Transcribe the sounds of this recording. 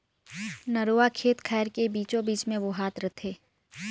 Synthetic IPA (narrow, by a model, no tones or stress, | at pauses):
nəɾoːakʰeːt̪kʰɛːɾkebiːt͡ʃõbiːt͡ʃmẽʋoɦaːt̪ɾɐt̪ʰeː